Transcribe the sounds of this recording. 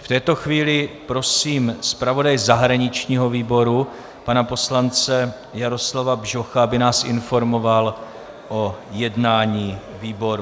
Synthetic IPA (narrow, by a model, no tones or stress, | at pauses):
ft̪ɛːt̪o̞xviːlɪpɾo̞siːmspɾavo̞dajzaɦɾaɲɪt͡ʃɲiːɦo̞viːbo̞ɾu | panapo̞slant͡sɛ | jaɾo̞slavabʒo̞xabɪnaːsʔɪ̰nfo̞ɾmo̞val | ʔojɛdnaːɲiː | viːbo̞ɾ